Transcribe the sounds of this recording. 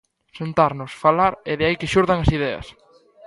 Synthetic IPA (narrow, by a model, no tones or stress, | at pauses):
sent̪aɾnʊsfalaɾeðɪaikɪʃuɾðaŋɐsiðɛɐ̰s